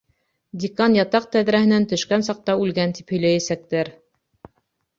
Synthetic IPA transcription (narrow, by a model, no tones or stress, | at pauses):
d̪ʲɪkɑnjɑt̪ɑq̚t̪æðɾæhɘ̆nænt̪ɵ̆ʃkænsɑq̚t̪ɑʉlɡænt̪iphɵ̆jlæjæsæk̚t̪æɾ